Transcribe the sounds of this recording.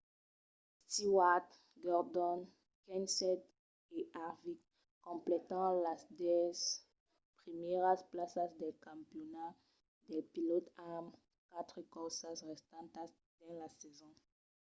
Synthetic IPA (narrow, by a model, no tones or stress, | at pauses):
st̪iwat̪ | ɡɔʁd̪ɔ̃n | kɛ̃nsɛt̪ | eʔaʁvik | kɔ̃mplɛt̪ɑ̃lasd̪ɛz | pʁimɛʁasplasasd̪ɛlkãmpjona | d̪ɛlpilɔt̪am | kat̪ʁkɔsasʁɛst̪ãnt̪as | d̪̥ɛ̃lasɛzɔ̃